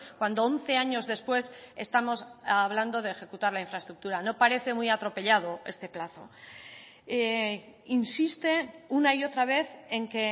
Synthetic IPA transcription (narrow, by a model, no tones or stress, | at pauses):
kwand̪oonθe̞aɲo̞zðe̞spwe̞se̞st̪amo̞saβland̪o̞ðeːxe̞kut̪aɾlaiɱfɾaest̪ɾuk̚t̪uɾano̞paɾe̞θe̞mujat̪ɾo̞pe̞ʎað̞o̞e̞st̪e̞plaθo̞̰ | einsist̪e̞unaio̞t̪ɾaβ̞e̞θe̞ŋke̞